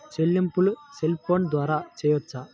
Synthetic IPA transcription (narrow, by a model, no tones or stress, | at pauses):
t͡ʃelːimpuluselpʰoːnd̪ʋaːɾaːt͡ʃɛːjʋɐt͡ʃːa